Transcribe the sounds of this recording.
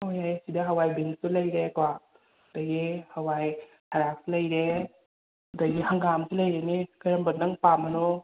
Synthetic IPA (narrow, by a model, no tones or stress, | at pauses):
ojajsidɐɦɐwajbinstulɐjɾekwa | hdɐɡihɐwaj | hʰaɾak̚silɐjɾe | ɐdɐɡihɐŋɡamsilɐjɾenekɐɾɐmbɐt̚nɐŋpamɐno